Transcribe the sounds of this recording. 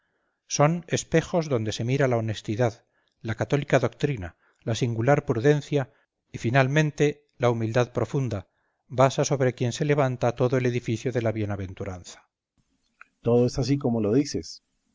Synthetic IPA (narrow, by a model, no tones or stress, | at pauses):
so̞ne̞spe̞xo̞zðo̞nd̪e̞se̞miɾalao̞ne̞st̪iðað | lakat̪o̞likaðo̞k̚t̪ɾina̰ | lasiŋɡulaɾpɾuðe̞n̟θja | ifinalmẽ̞nt̪e̞ | laumild̪aðpɾo̞fund̪a | βasaso̞β̞ɾe̞kje̞nse̞le̞β̞ant̪at̪o̞ðoe̞le̞ðifiθjoðe̞laβje̞naβe̞nt̪uɾanθḁ | t̪oðoesas̬ikomoloðises